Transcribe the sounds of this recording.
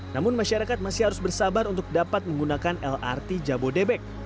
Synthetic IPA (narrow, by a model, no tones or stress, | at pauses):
namʊnmaʃaɾakat̪̚masɪhaɾʊsbərsabaɾunt̪ʊk̚dapat̪̚məŋɡunakanɛla̰rt̪id͡ʒabodebɛk̚